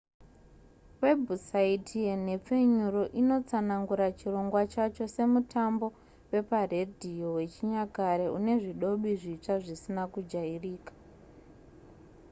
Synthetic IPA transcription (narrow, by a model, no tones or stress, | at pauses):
we̞bʱusaitʰijen̤e̞p͡fe̞ɲuɾo̞ʔino̞t͡sanaŋɡuɾat͡ʃiro̞ŋɡwat͡ʃat͡ʃo̞se̞mutʰambo̞ | we̞pare̞dʱio̞we̞t͡ʃiɲakaɾeṵne̞ʐiɗo̞ɓiʐit͡ʂaʐisinakud͡ʒairiːkḁ